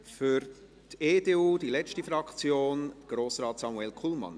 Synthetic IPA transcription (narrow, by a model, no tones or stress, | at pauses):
fyɾ | teːdeːuːdilɛt͡stəfɾɑkt͡sjoːnɡ̥ɾoːsrɑːtsɑmuɛlkʰulmɑ̰n